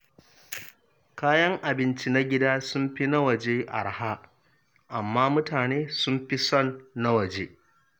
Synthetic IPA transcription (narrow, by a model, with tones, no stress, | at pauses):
kaː˦jɐ˦ŋʔa˨bɪ˦nt͡ʃi˦na˦ɡʲɪ˦daː˦sʊ˦mɸi˦na˦wɐ˨d͡ʒeː˦ʔa̰˨ɽha˦ʔ | ʔa˨mːaː˦mʊ˦taː˨neː˦sʊ˦mɸi˦sɔ˦˨nːa˦wɐ˨d͡ʒeː˦